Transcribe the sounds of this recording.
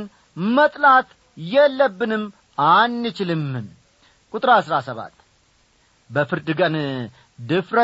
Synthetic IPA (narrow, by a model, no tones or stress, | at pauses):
n | mət̪ʼlat̪ | jɛlːəbːɨnɨm | anːɨt͡ʃɪlɨmɨm | kʼut̪ʼɾasɾasəβa̰t̪ː | bəfɨɾd̪ɨɡən | d̪ɨfɾə